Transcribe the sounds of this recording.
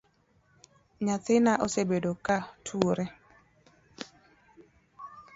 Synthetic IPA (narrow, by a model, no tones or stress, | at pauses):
ɲat̪ɪnaʔosebedokatʰuoɾe